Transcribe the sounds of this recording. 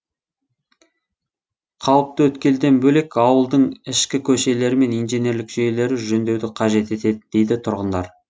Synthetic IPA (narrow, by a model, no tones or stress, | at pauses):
qʰɑlˠəp̚t̪əwɵt̪kʲe̞ld̪e̞nbɵle̞kɑwəlˠd̪əɴɪʃkʲɪkʲʰɵʃe̞le̞ɾɪme̞nijnʒenje̞ɾlɪkʒejele̞ɾɪʒɵnd̪e̞wd̪ɪqʰɑʒe̞t̪e̞t̪e̞d̪ɪd̪̥e̞jd̪ɪt̪ʰʊɾʁənd̪ɑɾ